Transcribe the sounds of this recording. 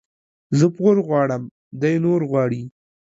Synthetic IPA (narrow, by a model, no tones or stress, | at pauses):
zəpɣoɾɣwɑɽəm | d̪ajnoɾɣwɑːɽi